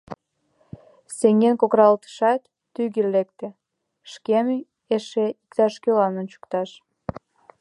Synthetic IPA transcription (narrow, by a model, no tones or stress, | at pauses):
seŋɡenkokɾɑlt̪ə̥ʃɑt̪ːyɣelek̚t̪e | ʃkem | eʃeikt̪ɑʃkølɑnont͡ɕə̥kt̪ɑʃ